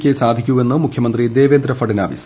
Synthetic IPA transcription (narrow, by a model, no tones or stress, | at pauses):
kʲːesaːd̪ʱikʲːue̞nːɨmukʰjɐmɐnd̪rid̪e̞ːʋeːnd̪ɾɐfɐɖina̰ːʋḭsɐ